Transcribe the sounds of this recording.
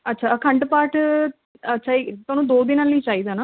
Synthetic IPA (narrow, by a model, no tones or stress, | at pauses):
ətːʃʰaːkʰə̃ɳʈpaːʈʰ | ətːʃʰaːit̪ʊaːnũːd̪oːd̪iːnaliːt͡ʃaːiːd̪aːnaː